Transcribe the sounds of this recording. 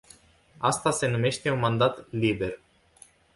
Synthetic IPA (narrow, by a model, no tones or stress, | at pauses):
ast̪ase̞nume̞ʃt̪e̞unmand̪at̪libe̞r